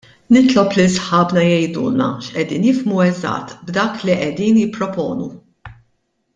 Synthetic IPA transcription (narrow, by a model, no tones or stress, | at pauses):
nɪt̪lɔplisħɐːbnɐjɛjd̪ṵːnɐ̰ʃʔɛd̪iːnjɪfmuɛzɐ̰t̪ːbd̪ɐːkliʔɛd̪iːnjɪpːɾɔpɔːnṵ